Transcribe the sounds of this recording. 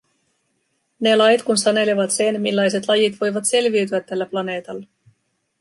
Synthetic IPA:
ne̞lɑjt̪kunsɑne̞leʋɑt̪se̞nmilːɑjse̞t̪lɑjit̪ʋo̞jʋɑt̪se̞lʋiyt̪yæt̪ːælːæplɑne̞ːt̪ɑlːɑ

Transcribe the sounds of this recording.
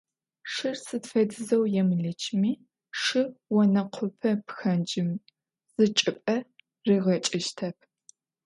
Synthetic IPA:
ʂɨrsɨtfɐdɨzɐwjɛmɨɮɨt͡ʃʰmiː | ʂɨwɔnɐqʷʰʊpʰɐpxɐnd͡ʒɪm | z̥ɨt͡ʃʼɨpʼɐ | riːʁɐt͡ʃʼɪʃtʰɐp̚ʰ

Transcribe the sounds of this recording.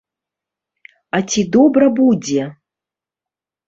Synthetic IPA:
at͡sʲid̪ɔbɾɐbud͡zʲɛ

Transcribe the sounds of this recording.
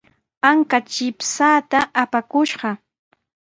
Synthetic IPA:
aŋkat͡ʃɪpsaːt̪aʔapakʊʃɢɑ

